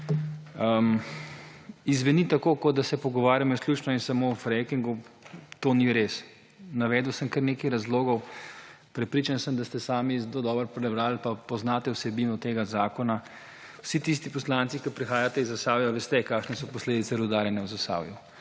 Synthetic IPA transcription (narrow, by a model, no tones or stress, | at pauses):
izʋɛnit̪akoːkɔd̪̚d̪asɛpɔɡɔʋaːɾjamɔisklʲuːt͡ʃnɔinsamofɾɛkiŋɡut̪oniɾeːs | naʋɛːd̪wsəmkəɾnekɐjɾazloːɡɔw | pɾɛpɾiːt͡ʃansəmd̪ast̪ɛsaːmizd̪od̪ɔːbəɾpɾɛbɾaːlpapɔznaːt̪ɛwsɛbinɔt̪eːɡazaːkɔna | wsit̪is̬t̪ipɔslaːnt̪sikɐpɾixaːjat̪ɛizːasaːwjɔʋeːst̪ɛkaːkʃnɛsɔpɔsleːd̪it̪sɛɾud̪aːɾjɛnɛwzast̪a̰ːwju